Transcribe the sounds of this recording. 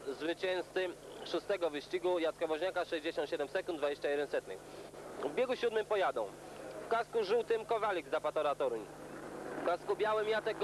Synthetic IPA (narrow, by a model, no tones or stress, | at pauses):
zvɘt͡ɕɛñst̪sɘʂust̪ɛɡɔvɘɕt͡ɕiɡujat̪skɔvɔʑɲakaʂɛʑd͡ʑeɕɔnt̪ɕɛd̪ɛmsɛkund̪d̪vad͡ʑeɕt͡ɕajɛd̪ɛnsɛt̪nɘ̰xvbʲjeɡuɕud̪mɘmpɔjad̪ɔ̃w̃fkaskuʐɘwt̪ɘmkɔvalʲiɡzapat̪ɔɾat̪ɔɾuɲ | fkaskubʲjawɘmjat̪ɛkɡ